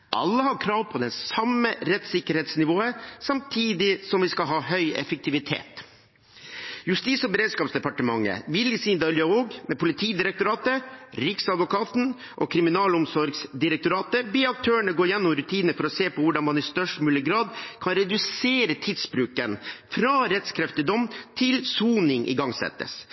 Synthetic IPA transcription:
ʔɑ̰lːəhɑɾkʰɾɑːʋpʰɔd̪ɛsɑmːəɾɛt̪sɪkːəɾheːt̪snɪʋoːəsɑmt̪ʰiːd̪ɪsɔmʋɪskɑlɦɑːɦœʏɛ̰fək̚t̪ʰɪʋɪt̪ʰḛːt̪ | jʉst̪iːsɔbəɾeːd̪skɑːpsd̪ɛpɑʈəmɑŋːə̰ʋɪljəsiːnd̪ɑlɪɑoːɡmɛpʊlɪt̪ʰiːd̪ɪɾɛk̚t̪ʊɾɑːt̪əɾɪksɑd̪ʋʊkʰɑːt̪n̩ | ʔɔkʰɾɪmɪnɑːlʊmsɔɾɡsd̪ɪɾɛk̚t̪ʊɾɑːt̪əbeːɑk̚t̪ʰøːəɳəɡoːjɛnːɔmɾʉt̪ʰiːnəfɔɾɔseːpʰɔʋʊɖɑnmɑnɪst̪œʂʈmʉːlɪɡɾɑːd̪kʰɑnɾɛd̪ʉseːɾət̪ʰɪd̪sbɾʉːkənfɾɑɾɛt̪skʰɾɛft̪ɪd̪ɔmt̪ʰɪlsuːnɪŋʔɪ̰ɡɑŋsɛ̰t̪ːə̰s

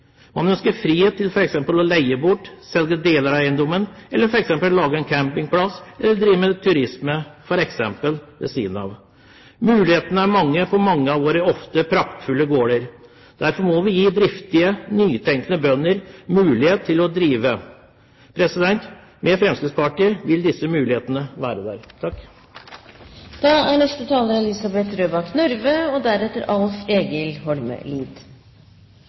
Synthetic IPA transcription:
mɑnœnskəɾfɾiːheːt̪ːɪlfɔɾɛksɛmpəlɔlæɪəbʊʈːsɛlɡəd̪eːləɾæɪənd̪ɔmənɛlːəɾfɔɾɛksɛmpəllːɑːɡəɛnkʰæmpɪŋpʰlɑsɛlːəɖɾiːʋmət̪ʰʉɾɪsməfɔɾɛksɛmpəld̪ɛ̰sḭːnɑ̰ʋ | mʉːlɪheːt̪ənəæɾmɑŋːəpʰɔmɑŋːəɑʋʋoːɾəɔft̪əpʰɾɑkt̪fʉlːəɡoːɽəɾ | d̪̥æɾfɔɾmɔʋɪjiːd̪ɾɪft̪ɪənyːt̪ʰɛŋkənəbœnːəɾmʉːlɪheːt̪ʰːɪlɔd̪ɾiːʋə | pʰɾɛsɪd̪ɛnt̪ | mɛfɾɛmsk̪ɪspɑʈiːəʋɪld̪ɪsːəmʉːlɪheːt̪ənəʋæːɾəd̪æːɾt̪ʰɑkː | d̪̥ɑːæɳɛst̪ət̪ʰɑːləɾɛlɪsɑbɛt̪ɾøːbɑknʉɾʋəɔd̪æɾɛt̪ːəɾɑlfeːɡəlhɔlmə̰liːd̪

